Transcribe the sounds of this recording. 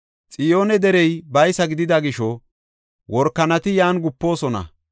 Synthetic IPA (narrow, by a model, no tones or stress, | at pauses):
t͡sʼɪjo̞ːnɛd̪ɛɾɛjbɐjsɐɡɪd̪ɪd̪ɐɡɪʃɔ | wɔɾkːɐnɐt̪ɪjaːnɡʊpːo̞ːsɔnɐ̰